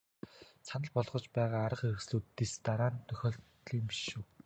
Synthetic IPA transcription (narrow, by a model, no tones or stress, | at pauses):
sanə̆ɮpɔɮʁ̥ɞ̆t͡ɕpæːʁaːɾə̆χeɵxsɮuːt̪ːest̪aɾaːnt̪ʰːœxʲɔːɬt̪ɮiːmpiʃuw